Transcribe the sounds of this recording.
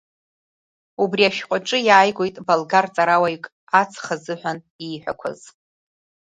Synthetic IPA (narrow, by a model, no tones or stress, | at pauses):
ubriaʃᶣqʷʼaʈ͡ʂʼɨjaːjɡʷojtʼbalɡart͡sʼaɾawajkʼ | at͡sʰχazɨħʷᶣan | iːħʷᶣa̰kʷʰa̰z̥